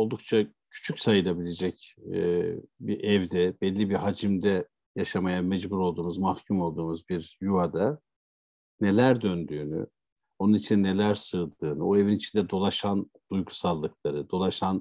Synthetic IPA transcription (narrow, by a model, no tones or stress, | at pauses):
o̞lˠd̪uk̚t͡ʃʰa | cʰy̥t͡ʃʰycsajɯlˠabilʲe̞d͡ʒɛcː | biʔɛvd̪ɛb̥ɛlʲːibiɦad͡ʒimd̪ɛ | jaʃamajamɛd͡ʒbuɾo̞lˠd̪uːmuzmahcʰumo̞lˠd̪uːmuzbiɾjuad̪a | ne̞lʲæɾd̪ønd̪yːny̰ | o̞nunit͡ʃʰind̪ɛne̞lʲæɾsɯːd̪ɯːnɯoe̞vinit͡ʃʰind̪ɛd̪o̞lˠaʃan | d̪̥ujɡusalˠːɯklˠaɾɯd̪o̞lˠaʃan